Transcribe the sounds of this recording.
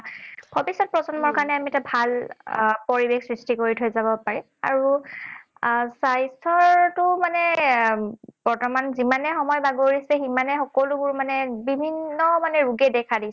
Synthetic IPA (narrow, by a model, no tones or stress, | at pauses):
b̥ʱɔbisɔt̚pɹɔzɔnmɔɹkanɛamiɛtabʱalpoɹibexsɹistikoɹitʰojzabɔpaɹɛ | a̰ɹu | sajsɔɹtʊmanɛ | b̥ɔɹtɔmanzimanɛxɔmɔjbaɡoɹisɛximanɛxɔkɔlubʊɹmanɛbibʱinːɔmanɛɹuɡɛdɛkʰadis